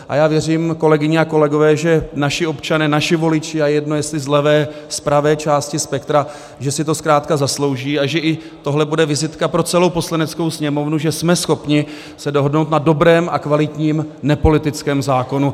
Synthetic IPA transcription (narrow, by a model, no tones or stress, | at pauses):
ʔa̰jaːvjɛr̝iːmko̞lɛɡɪɲɛako̞lɛɡo̞vɛːʒɛnaʃɪo̞pt͡ʃanɛːnaʃɪvo̞lɪt͡ʃɪajɛjɛdnojɛst̪lɪzlɛvɛː | spɾavɛːt͡ʃaːscɪspɛkt̪ɾa | ʒɛsɪt̪o̞skɾaːt̪kazaslo̞wʒiːaʒɛʔɪ | t̪o̞ɦlɛbudɛvɪzɪt̪kapɾo̞t͡sɛlowpo̞slanɛt͡skowsɲɛmo̞vnuʒɛsmɛsxo̞pɲɪ | sɛdo̞ɦodnowt̪nado̞bɾɛːma̰kvalɪt̪ɲiːmnɛpo̞lɪt̪ɪt͡skɛːmzaːko̞nu